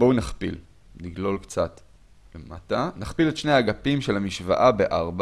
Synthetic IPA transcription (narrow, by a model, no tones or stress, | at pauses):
bounaχpḭl | niɡlo̞lkt͡sat | lematanaχpiletʃne̞jaɡapimʃelamiʃva̰ʔabe̞ʔaʁba